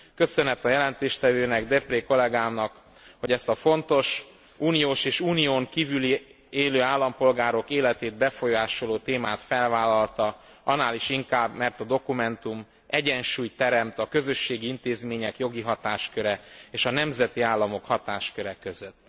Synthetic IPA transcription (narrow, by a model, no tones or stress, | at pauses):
kø̞sønɛt̪ɒjɛlɛnt̪eːʃt̪ɛvøːnɛɡd̪ɛpreːko̞lɛɡaːmnɒk | ho̞ɟɛst̪ɒfo̞nt̪o̞ʃ | uːnijoːʃeːʃuːnijoːŋkiːvyli | eːløːaːlːɒmpo̞lɡaːɾo̞keːlɛt̪eːd̪̚bɛfo̞jaːʃo̞loːt̪eːmaːt̪fɛlvaːlɒlt̪ɒ | ɒnaːliʃiŋkaːbmɛrt̪ɒd̪o̞kumɛnt̪um | ɛɟɛnʃuːjt̪ɛɾɛmt̪ɒkø̞zø̞ʃːeːɡiint̪eːzmeːɲɛkjo̞ɡiɦɒt̪aːʃkøɾɛeːʃɒnɛmzɛt̪iaːlːɒmo̞khɒt̪aːʃkøɾɛkø̞zøt̪ː